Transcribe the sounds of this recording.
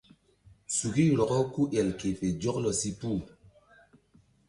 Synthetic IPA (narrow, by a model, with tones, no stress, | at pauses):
su˨ɡi˦˨lɔ˨kɔ˦ku˦jɛ˨lke˨pe˨d͡ʒɔ˦klɔ˨si˦pu˦˨